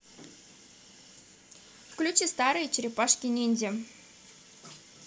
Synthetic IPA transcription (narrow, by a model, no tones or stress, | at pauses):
fklʲut͡ɕest̪ɑɾɨjt͡ɕɾʲepɑʂkʲinʲenʲdʲĕ